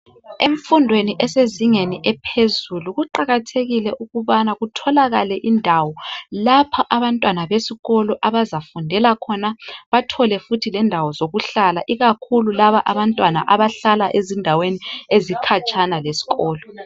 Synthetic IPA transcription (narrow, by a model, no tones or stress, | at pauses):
eɱfundʱweniʔɛseziŋeniʔɛpʰezuluɣuǃaɣatʰeɣilɛʔuɣuβanaɣutʰɔlaɣalɛʔindʱawɔlapʰaʔaβantʼwanaβesiɣɔlɔʔaβazafundʱɛlakʰɔnaβatʰɔlɛfutʰilɛndʱawɔzoɣuɬalaʔiɣakʰululaβaʔaβantʼwana̰ʔaβaɬalaʔezindʱaweniezikʰat͡ʃʼʰanalesi̥ɣɔːlɔ